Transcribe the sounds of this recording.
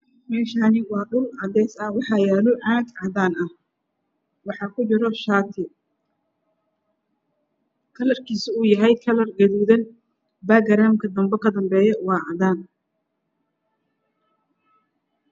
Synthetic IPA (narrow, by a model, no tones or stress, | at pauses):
mɛːʃaːnɪwɑːɗʊlʕɑd̪ɛjsɐwɑħɑjaːlɔʕɑːɡʕɑðaːnɐh | wɑħɑkʰʊt͡ʃɪɾɔʃaːt̪ʰɪ | kʰɐlɐrkʰiːsɪuːjɐɦɛjkʰɐlɐrɡɐðuːðɐn | baːɡɐɾaːmkʰɐd̪ɐmbɛkʰɐd̪ɐmbɛːjɐwɑːʕɑd̪aːn